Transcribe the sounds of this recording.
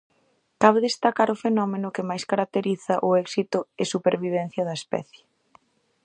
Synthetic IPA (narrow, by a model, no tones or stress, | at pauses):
kaβeðest̪akaɾʊfenɔmenʊkɪmajskaɾak̚t̪eɾiθɐʔʊɛksit̪ʊɪsupeɾβiβ̞ɛn̟θjɐðɐespɛ̰θjɪ̥